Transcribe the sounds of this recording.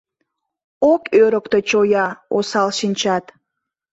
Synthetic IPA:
okøɾəkt̪et͡ɕojɑosɑlʃinʲt͡ɕɑt̪

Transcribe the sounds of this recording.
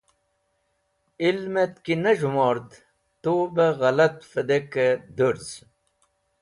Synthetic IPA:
ilmet̪kinɐʑumoːɾd̪ | t̪oːbeɣɐlɐt̪fɐd̪eked̪uɾz

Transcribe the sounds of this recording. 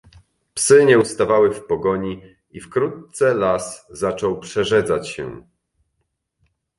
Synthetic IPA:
psɘɲɛust̪avawɘfpɔɡɔɲi | ifkɾut̪̚sɛlaszat͡ʂɔwpʂɛʐɛd̪zat͡ɕɕɛ̰

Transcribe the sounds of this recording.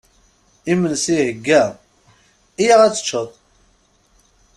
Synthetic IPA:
imənsihəɡːæ | ijaʁæt͡sːə̥t͡ʃːəðˤ

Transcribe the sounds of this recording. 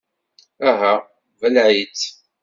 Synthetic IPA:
æɦæ | vəlʕit͡s

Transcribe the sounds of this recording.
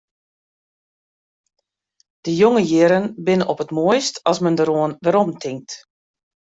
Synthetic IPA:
d̥əjoŋəjɪɾənbɪnənʔɔpətmoəjstɑsməndəɾoənʋəɾɔmtʰɪŋk̚t

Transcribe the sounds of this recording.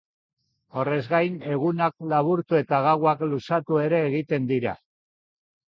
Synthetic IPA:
o̞re̞zɣajne̞ɣ̞unak̚laβuɾt̪ue̞t̪aɣ̞aɣwaklusat̪ue̞ɾe̞ːɣit̪e̞nd̪iɾa̰

